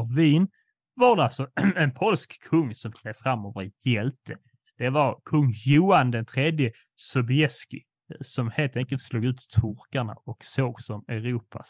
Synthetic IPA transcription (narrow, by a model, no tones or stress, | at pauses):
viːn | vaɖɛalsɔɛnpʰɔlskːʰɵŋːsɔmt̪ʰleːvfɾamːoːvəɾjɛlt̪ʰə | d̪̥ɛvaɾkʰɵŋːjuːand̪ɛnt̪ʰɾeːd̪jə | sɔbɪɛskɪ | sɔmheːlt̪ʰɛŋkəlt̪sluːɡʉ̟ːt̪t̪ʰːʊɾkaɳa̰ɔksoːɡsɔmɛɾuːpʰa